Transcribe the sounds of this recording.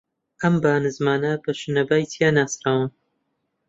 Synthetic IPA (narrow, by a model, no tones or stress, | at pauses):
ʔɐmbaːnɨzmaːnɐbɐʃɨnɐbaːjt̪ʰijaːnaːsɾaːwɨn